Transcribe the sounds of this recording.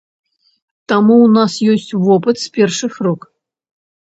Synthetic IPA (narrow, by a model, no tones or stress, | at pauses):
t̪amuwnasjɔsʲt͡sʲvɔpɨt̪spʲɛrʂɨxruk